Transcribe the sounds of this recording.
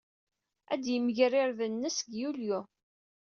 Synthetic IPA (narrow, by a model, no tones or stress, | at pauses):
æd̪jəməʝrɪɾðənːəsɡjulju